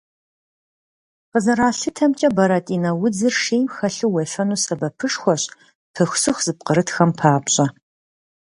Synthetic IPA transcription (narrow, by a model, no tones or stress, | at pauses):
qəzɐɾaːɬɨtʰɐmt͡ʃʼɐbɐɾɐtʼiːnɐwʊd͡zɨrʂeːmxɐɬɨwɐfɐnuːsɐbɐpʰɨʂxʷɔɕʼ | pʰɨxʷsɨxʷz̥ɨp̚qəɾɨtxɐmpʰaːpɕʼɐ